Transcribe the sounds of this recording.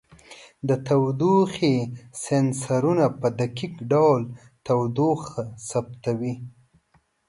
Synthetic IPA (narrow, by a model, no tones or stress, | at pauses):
d̪ət̪awd̪uxesensaɾunapəd̪akikɖawl | t̪awd̪uxsab̚t̪awi